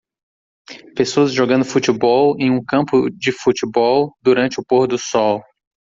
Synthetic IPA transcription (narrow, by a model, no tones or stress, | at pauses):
pesoɐzʒoɡɐ̃nd̪ʊfut͡ʃɪbɔwẽj̃ũkɐ̃mpʊd͡ʒɪfut͡ʃɪbɔwd̪uɾɐ̃nt͡ʃɪʊpoɾd̪ʊsɔw